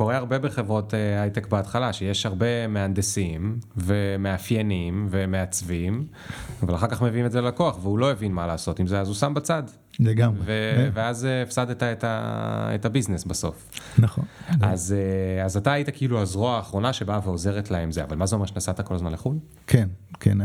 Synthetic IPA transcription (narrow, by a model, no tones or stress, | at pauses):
ko̞ʁeaʁbe̞beχe̞vʁo̞teajt̪ekbeatχalaʃejeʃhaʁbe̞meand̪esimve̞meafjenimve̞me̞at͡svim | avalaχaʁkaχmeviimetzellakoaχveulo̞evinmalaːso̞timzeazusambat͡sad | leɡamveveazeːfsadetaeta̰ḛtabiznesbaso̞̰fnaχonazeazataːjitakiiluazʁoaːχʁo̞naʃe̞baveo̞ze̞ʁetlaemzea̰valmazeome̞ʃenasat̪ako̞lazmanleχul | kʰenkʰḛn